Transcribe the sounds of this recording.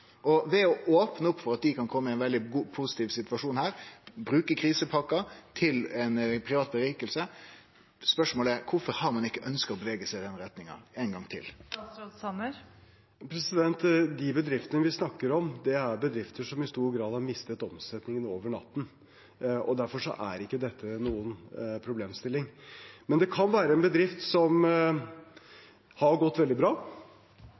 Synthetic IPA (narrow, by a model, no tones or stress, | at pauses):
ʔɔʋɛɔʔoːpnəʊpːfɔɾɑt̪̚d̪ɪkʰɑnkʰɔmːəɪɛɪnʋɛld̪ɪɡuːpʰusɪt̪iːʋsɪt̪ʋɑʂuːnhæːɾbɾʉːkəkʰɾiːsəpʰɑkːɑt̪ʰɪlɛnpʰɾɪʋɑːt̪̚bəɾiːkəlsə | spœʂmoːləæɾkʰʊfɔɾhɑɾmɑnɪkːəʔœnskəɾɔbəʋeːɡəsæɪd̪ɛnɾɛt̪nɪŋɑ̰ɛnɡɑŋt̪ʰɪ̰lsɑnəɾ | pʰɾɛsɪd̪ɛnt̪d̪ibəd̪ɾɪft̪ənəʋɪsnɑkːəɾɔmd̪ɛæɾbəd̪ɾɪft̪ʰəʂɔmɪst̪uːɾɡɾɑːd̪hɑɾmɪst̪ət̪ɔmsɛt̪nɪŋənoːʋəɳɑ̰t̪ːn̩ | ɔ̰d̪æɾfɔʂɔ̰ʔæɾɪkːəd̪ɛt̪ʰːənuːənpʰɾʊbleːmst̪ɪlːɪŋmɛnd̪ɛkʰɑnʋæːɾəɛnbəd̪ɾɪft̪sɔm | hɑɾɡɔt̪ːʋɛld̪ɪbɾɑː